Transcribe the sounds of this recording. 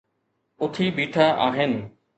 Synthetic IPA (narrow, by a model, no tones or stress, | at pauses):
ʊt̪ʰibiːʈʰaʔa̰ːɦɪnɪ̆